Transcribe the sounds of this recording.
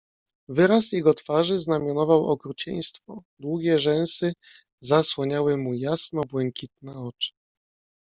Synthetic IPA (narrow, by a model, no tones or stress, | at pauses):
vɘɾasjɛɡɔt̪faʐɘznamʲjɔnɔvawɔkɾut͡ɕḛj̃st̪fɔd̪wuɡʲɛʐɛ̃w̃sɘ | zaswɔɲawɘmujasnɔbwɛŋkʲit̪̚nɛɔt͡ʂɘ̥